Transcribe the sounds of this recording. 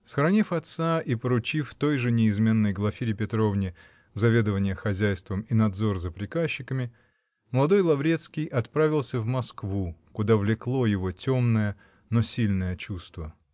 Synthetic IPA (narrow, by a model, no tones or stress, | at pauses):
səxɾɐnʲifɐt̪saipəɾʊt͡ɕift̪o̞jʐɨnʲɪɪzmʲe̞nːəjɡlˠɐfʲiɾʲɪpʲɪt̪ɾo̞vnʲɪ | zɐvʲe̞d̪əvənʲɪjəxɐzʲæjst̪vəminɐd̪zo̞rzəpɾʲɪkaɕːɪkəmʲɪ | məlˠɐd̪o̞jlˠɐvɾʲe̞t̪skʲɪjʔɐt̪pɾavʲɪlˠsʲəvmɐskvukʊd̪avlʲɪklˠo̞jɪvo̞tʲo̞mnəjə | nosʲilʲnəjət͡ɕust̪və